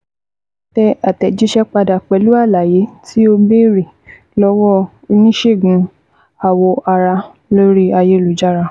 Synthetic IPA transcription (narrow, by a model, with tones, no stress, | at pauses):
tɛ˧a˨tɛ˨d͡ʒi˨˦ʃɛ˦k͡pa˧da˨k͡pɛ˨˦lu˦a˦˨la˨je˨˦tʰi˦o˧be˦ɾi˨ | lɔ˦wɔ˦ | i˧nĩ˦ʃe˦˨ɡũ˨˦ | a˨wɔ˧ʔa˧ɾa˧ | lo˦ɾi˦a˧je˧˦lu˨˦d͡ʒa˦˨ɾa˧